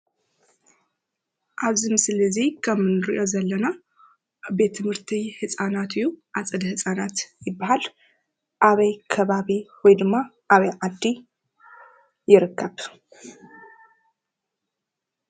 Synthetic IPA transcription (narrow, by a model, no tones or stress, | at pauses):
ʔaβzimɨslɨzikʰɐmɨnɨɾḭʔo̞zɐlːɐna | be̞t̪ʰːɨmhɨɾt̪ʰihɨsʼanat̪ɨjːuʔat͡sʼɨd̪hɨsʼanat̪jɪbːahal | ʔaβɐjkʰɐβaβiwɔjd̪ɨmːa | ʔaβɐjʕad̪ːi | jɪɾɨkʰːɐβ